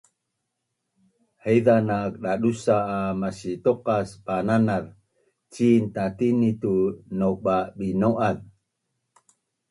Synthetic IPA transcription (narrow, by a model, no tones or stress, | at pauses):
həjðanak̚ɗaɗusaːmasit̪oqaspananaɾ | t͡ʃint̪at̪init̪unoɓabinoʔað